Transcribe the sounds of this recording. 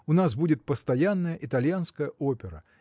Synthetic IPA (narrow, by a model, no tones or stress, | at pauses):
ʊnasbudʲɪt̪̚pəst̪ɐjanːəjəʔɪt̪ɐlʲjanskəjəʔopʲɪɾə̰